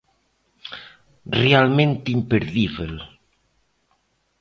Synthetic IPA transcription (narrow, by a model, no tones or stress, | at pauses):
realmẽnt̪impeɾðiβel